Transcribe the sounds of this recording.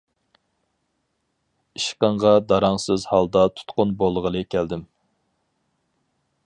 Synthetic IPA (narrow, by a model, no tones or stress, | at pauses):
iʃqəɴʁɑd̪ɑɾɑŋsɪzhɑlˠd̪ɑt̪ʰu̥t̪qʊnbolˠʁəlˠɨkʲʰæld̪ɪm